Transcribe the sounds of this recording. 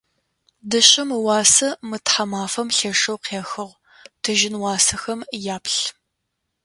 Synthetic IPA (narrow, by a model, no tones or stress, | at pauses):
dɨɕʼɐmwɑːsɐmɨtħamaːfɐmɬeːʂɐwqʰeːxɨʁ | tʰɨʒɪnwɑːsɐxɐmjaːpɬ